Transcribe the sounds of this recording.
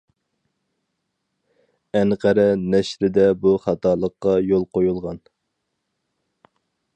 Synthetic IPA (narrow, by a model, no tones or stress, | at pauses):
ɛnqʰæɾɛnɛʃɾɪd̪ɛbuχɑt̪ʰɑːlˠəqːɑjolˠqʰojulˠʁɑn